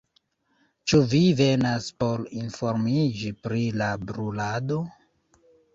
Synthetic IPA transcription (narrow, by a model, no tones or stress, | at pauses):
t͡ʃuvive̞naspo̞ɾinfo̞ɾmid͡ʒipɾilabɾulado̞